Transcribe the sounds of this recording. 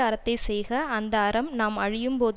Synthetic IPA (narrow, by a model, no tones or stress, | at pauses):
aːɾɐt̪ːɐɪsɛjɣɐːnd̪ɐːɾɐmnaːmɐɻɪjɯmpoːð